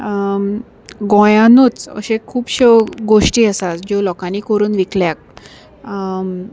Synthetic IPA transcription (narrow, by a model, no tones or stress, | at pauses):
ɡɔ̃jãnut͡sə̰ɕẽkʰuːbɕeɡoɕʈiːəsat͡sd͡ʑolɔkãniːkoɾuːnʋikljak̚